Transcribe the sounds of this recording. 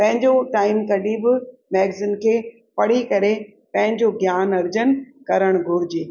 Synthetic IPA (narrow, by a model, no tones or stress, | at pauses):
pɐ̃ɦɪ̃ɲd͡ʑoʈaːɪmkɐɗibɪmɛːɡzɪnkʰeː | pɐɽ̤ikɐɾe | pɐ̃ɦɪ̃ɲd͡ʑoɡjaːnɐɾd͡ʑən | kɐɾəɽ̃ɡʱʊɾɪd͡ʑeː